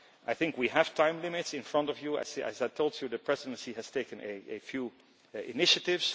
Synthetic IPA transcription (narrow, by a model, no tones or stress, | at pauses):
ʔaɪθɪ̃ŋkwiæv̥tʰãɪ̃mlɪmɪtsɪ̃nfɹʌ̃ntɔvjuæ̰sæ̰zætʰolˠzjɨðəpʰɹ̥ɛzɪdə̃nsihæz̥tʰeɪkə̃nɨɨ̰fju | ɪ̰nɪʃɨtɪvz̥